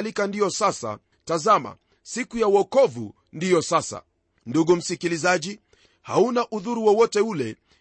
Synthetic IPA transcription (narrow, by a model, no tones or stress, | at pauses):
likandiɔsasa̰ | tazama̰ | sikujawɔkɔvṵ | ndijɔsasa̰ | nduɠum̩sikilizaʄi | haunaʔuðuɾuwɔwɔtɛulɛ